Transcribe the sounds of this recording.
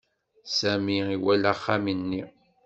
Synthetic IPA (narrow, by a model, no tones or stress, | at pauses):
sæmiiwælaχːaminːi